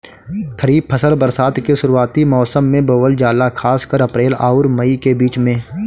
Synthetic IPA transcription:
k̪ʰəɾiːb̚pʰəsəlbəɾsaːt̪keʃʊɾuaːt̪imɔːsəmːẽbəʋəld͡ʒaːlakʰaːskəɾɐpɾeːla̰ːʊɾməikebiːt͡ʃmẽː

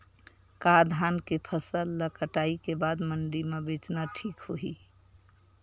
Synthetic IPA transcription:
kaɾd̪ʱankepʰəsəlːəkəʈaikebad̪məɳɖimebet͡ʃnaʈʰikɦoɦi

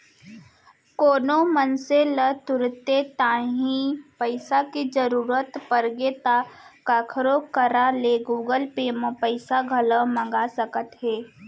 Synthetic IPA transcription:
koːnomənselət̪ʊɾt̪et̪aːɦĩpəɪsakid͡ʒəɾuːɾət̪pəɾɡet̪akaːkʰɾokəɾaleɡuːɡəlpemə̃pəɪsaɡʱələmɐ̃ŋɡasəkət̪ɦeː

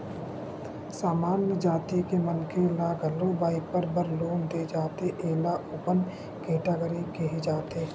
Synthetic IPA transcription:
saːmaːnjəd͡ʒaːt̪ikemənkelaɡəlobaːɪk̚pəɾbəɾloːnd̪ed͡ʒaːt̪eʔeːlaʔʊːpən | keːʈaɡəɾikeɦed͡ʒaːt̪eː

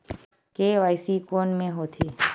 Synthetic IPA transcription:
keːʋajsikoːnmẽɦot̪ʰi

